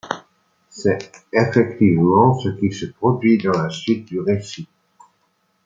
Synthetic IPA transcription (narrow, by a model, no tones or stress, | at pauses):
sɛefɛkt̪ivmɑ̃səkʲisəpχɔd̪ɥid̪ɑ̃lasɥit̪̚d̪yʁesi